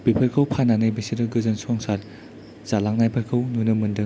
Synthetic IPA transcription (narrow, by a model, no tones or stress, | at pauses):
bipʰɐɾkʰɐwpʰananɯjbesiɾɯɡɯzɯnsɔŋsaɾ | z̥alaŋnajpʰɐɾkʰɯwnunɯmɯndɯ